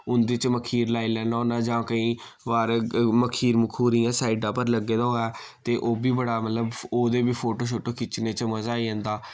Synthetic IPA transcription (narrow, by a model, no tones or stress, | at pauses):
ʊnd̪ɪt͡ʃməkʰiːɾlaːiːlɛ̃ːnaoːnãːd͡ʒãːkəĩːʋaːɾməkʰiːɾmʊkʰuːɾiːjãːsaːiːɖãːpəɾləɡːeːd̪aːɦõːɛː | t̪eːʔoːbiːbəɽaːmət̪ləboːd̪eːbiːpʰoːʈoːʃ̬ʰoʈoːkɪt͡ʃneːt͡ʃəməzaːiɦə̃ːnd̪aː